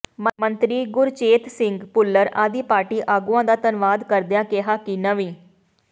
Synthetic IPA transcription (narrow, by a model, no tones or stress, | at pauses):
məmənt̪ɾiːɡʊɾt͡ʃeːt̪sɪŋɡpʊlːəɾa̰ːd̪iːpaːʈiːʔaːɡuãːd̪aːt̪ənʋaːd̪kəɾd̪jãːkeɦaːkɪnəʋĩː